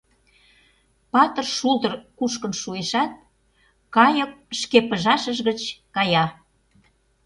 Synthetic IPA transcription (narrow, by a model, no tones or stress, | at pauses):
pɑt̪ə̆rʃult̪ə̆rkuʃkənʃueʃɑt̪̚ | kɑjək̚ʃkepəʒɑʃəʒɣət͡ɕkɑjɑ